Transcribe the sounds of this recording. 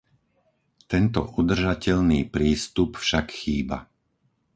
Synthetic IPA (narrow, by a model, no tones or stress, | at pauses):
t̪ɛnt̪ɔ̰ʔud̪r̩ʒacɛʎniːpɾiːst̪upfʃakxiːba̰